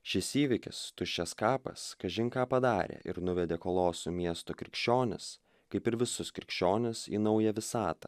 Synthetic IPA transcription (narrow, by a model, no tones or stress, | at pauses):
ʃʲɪsiːʋʲɪkʲɪ̰st̪ʊʃʲt͡ʃʲɛskɑːpɐ̰skɐʒʲɪŋkɑːpɐd̪ɑːɾʲḛːʔɪ̰ɾnʊʋʲɛd̪ʲeːkoːlˠoːsʊmʲiɛst̪okɾʲɪkʃʲt͡ʃʲoːnʲɪs | kɐɪpɪɾʋʲɪsʊskɾʲɪkʃʲt͡ʃʲoːnʲɪsḭːnɐʊjɛʋʲɪsɑːt̪ɐ